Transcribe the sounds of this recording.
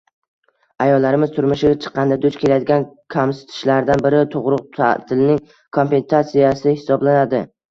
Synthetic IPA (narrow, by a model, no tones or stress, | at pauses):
ajɒlːaɾɪmɪz̥t̪ʰʊɾmʊʃɪɡʲat͡ʃʰɨ̥qʰːɑnd̪ad̪ʊt͡ʃkʰʲe̞lajad̪ɪɡʲankʰamsɪ̥t̪ʰɪ̥ʃlaɾd̪anbɪɾɪt̪ʰʊʁɾʊq̚t̪ʰa̰t̪ʰɪlɪnɪŋ | kʰompe̞nsat̪sijasɪhɪ̥sɒblanad̪ɪ